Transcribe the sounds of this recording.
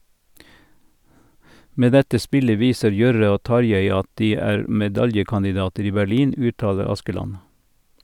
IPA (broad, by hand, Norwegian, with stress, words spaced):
ˈmeː ˈdɛtə ˈspɪlə ˈʋiːsəɾ ˈjœɾə ˈoː ˈtɑɾjeɪ ˈɑt ˈdiː ˈæːɾ mɛˈdɑljəkɑndɪˌdɑːtəɾ ˈiː bæˈliːn ˈʉːˌtɑːlə ˈɑskəˌlɑn